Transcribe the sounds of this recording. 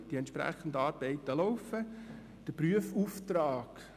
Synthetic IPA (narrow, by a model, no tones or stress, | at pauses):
d̥iɛnt̪ʃpɾæ̰χən̩dəɑːɾbɛɪt̪əlɔwfə | d̥əpryəfuft̪raːk